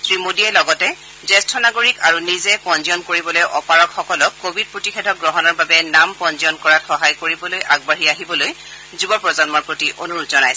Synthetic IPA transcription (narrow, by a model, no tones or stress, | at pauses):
sɹimodiɛlɔɡɔtɛ | zɛstʰɔnaɡoɹikaɹunizɛpɔnziɔnkoɹibɔlojʔɔpaɹɔkxɔkɔlɔkːobʱid̚pɹotixɛdʱɔk̚ɡɹɔɦɔnɔɹbabɛnampɔnziɔnkɔɹatxɔɦajkoɹibɔlojʔaɡ̚baɹiaɦibɔloj | zubɔpɹɔzɔnmɔɹpɹotiʔonuɹutzɔnajs